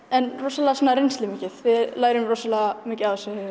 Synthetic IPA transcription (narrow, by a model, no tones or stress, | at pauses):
ɛnrɔsalasɔːnːaɾenslɪmicɪðvɪðlaːjɾʏmrɔsalamɪːcɪawθɛsːʏhʏ